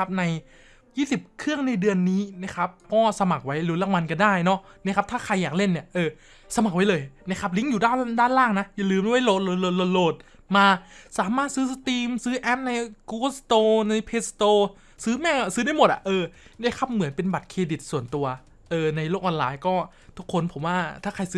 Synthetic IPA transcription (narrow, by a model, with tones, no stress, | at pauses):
a˦˥p̚na˧j | jiː˥˩si˨˩p̚kʰɯ˥˩əŋna˧jdɯ˧ənːiː˦˥na˦˥kʰa˦˥p̚kɔː˥˩sa˧ma˨˩k̚wa˦˥jluː˨˦la˧˥˩ŋwa˧nka˧ndaː˥˩jnɔ˦˥ | na˦˥kʰa˦˥p̚t̪ʰaː˥˩kʰa˧jːaː˨˩k̚le˥˩nːi˥˩ɐʔɤː˧ | sa˧ma˨˩k̚wa˦˥jlɤː˧jna˦˥kʰa˦˥p̬̚li˧˦˥ŋjuː˨˩daː˥˩daː˥˩nlaː˥˩ŋna˦˥ʔja˨˩lɯː˧ma˥˩wa˦˥˩jlo˨˩t̪̚lo˨˩lo˨t̪̚lo˨˩t̪̚loː˨˩t̪̚ | maː˧saː˨˩˦maː˥˩t̪̚sɯː˦˥st̪iː˧msɯː˦˥ʔɛ˦˥p̚na˧jku˧bst̪oː˧na˧jpʰeː˦˥st̪oː˧ | sɯː˦˥mɛː˥˩˧sɯː˦˥da˥˩jmo˨˩t̪̚ʔa̰˨˩ʔɤː˧da˥˩kʰa˦˥p̚mɯ˩˦npe˧nba˨˩t̪̚kʰeː˧di˨˩t̪̚su˨˩ənt̪u˧ɐ | ʔɤː˧na˧jloː˥˩k̚ʔɔː˧nlaː˧jkɔː˥˩ | t̪ʰu˦˥kʰːo˧npʰo˩˦mwaː˥˩t̪ʰaː˥˩kʰa˧jsɯː˦